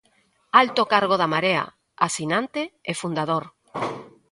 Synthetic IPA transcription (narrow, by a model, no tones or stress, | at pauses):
alt̪okaɾɣ̞oðamaɾea̰ | asinãnt̪eefund̪aðoɾ